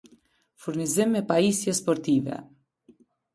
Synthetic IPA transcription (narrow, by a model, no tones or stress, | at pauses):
fuɾnizimːɛpaisjɛspɔɾt̪ivɛ̰